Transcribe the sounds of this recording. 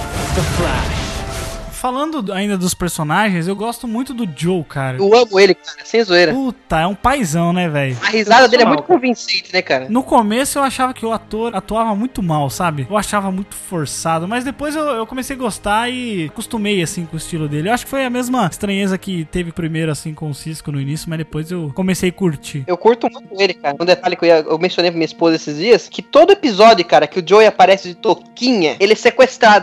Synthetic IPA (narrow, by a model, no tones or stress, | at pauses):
t̪ɐfa | falɐ̃nd̪ʊaĩnd̪ɐd̪ʊspeɾsonaʒẽj̃zewɡɔst̪ʊmũj̃t̪ʊd̪ʊd͡ʒowkʰaɾɐewɐ̃mʊelɪkaɾɐsẽj̃zuejɾɐputt̪ɐɛũpajzɐ̃w̃nɛvɛjʊɐhizad̪ɐd̪elɪɛm̃t̪ʊkõvĩsẽt͡ʃɪnɛkaɾɐnʊkomesʊewaʃavɐkɪʊat̪oɾat̪uavɐmũj̃t̪ʊmawsabɪewaʃavɐmũj̃t̪ʊ̥foɾsad̪ʊmɐzd̪epojzewewkõmesejɐɡost̪aɪkust̪umejasĩkʊɪst͡ʃilʊd̪elɪewaʃʊ̥kɪ̥fojɐmezmɐɪst̪ɾɐ̃ɲezɐkɪt̪evɪpɾimejɾʊasĩkõsiskʊnʊinisjʊmɐzd̪epojzewkõmesejɐkuɾt͡ʃiewkuɾt̪ʊ̃mũj̃t̪ʊelɪkaɾɐũd̪et̪alɪkewiɐḛwmẽsjõnejpɾɐmĩɲɐispozɐesɪzd͡ʒiɐskʰɪt̪od̪ʊepizɔd͡ʒʊkaɾɐkɪʊd͡ʒojapaɾɛsɪd͡ʒɪt̪okĩɲɐelɪɛsekwest̪ɾad̪ʊ